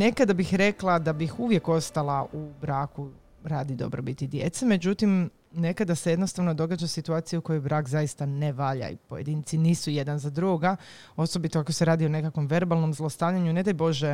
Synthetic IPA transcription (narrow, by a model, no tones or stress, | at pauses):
ne̞kad̪abixɾe̞klˠad̪abixuʋje̞ko̞st̪alˠaʔubɾaːku | ɾaːd̪id̪o̞̰bɾobit̪id̪jḛt̪seme̞d͡ʑut̪im | ne̞kad̪aseje̞d̪no̞st̪aʋno̞d̪o̞ɡad͡ʒasit̪uaːt̪ijukojo̞jbɾaːkzajist̪aneʋaʎa̰ḭpojed̪iːnt̪siniːsujed̪anzad̪ɾuɡoɡa | o̞so̞bit̪oakoseɾaːd̪io̞ne̞kakʋo̞mʋe̞ɾbalˠno̞mzlˠost̪aːʋʎaɲune̞d̪ajbo̞ʒe